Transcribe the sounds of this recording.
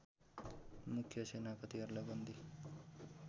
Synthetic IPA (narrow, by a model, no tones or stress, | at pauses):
mukʰjʌsenapʌt̪iʌɾlʌɡʌnd̪i